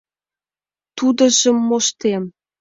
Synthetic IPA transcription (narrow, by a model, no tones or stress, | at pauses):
t̪ud̪ɤ̆ʒə̆mːoʃt̪em